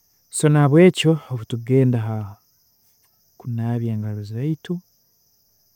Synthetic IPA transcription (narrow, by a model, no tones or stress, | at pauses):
so̞naβwe̞ːco̞ːβutuɡe̞ːndaɦa | kunaːβjaːŋɡaɾuziɾaitu